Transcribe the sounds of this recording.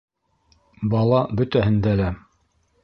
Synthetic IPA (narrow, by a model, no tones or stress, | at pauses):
bɑlˠɑbɵ̆t̪æɦɘ̆nd̪ælæ